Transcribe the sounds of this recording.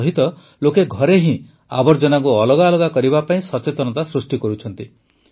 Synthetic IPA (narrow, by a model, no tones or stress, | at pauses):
ɦit̪ɔ | lokeɡʱɔɾeɦĩ | a̰bɔɾd͡ʒɔnakuɔlɔɡalɔɡakɔɾibapaĩsɔt͡ʃet̪ɔnɔt̪asɾusʈikɔɾut͡ʃʰɔnt̪i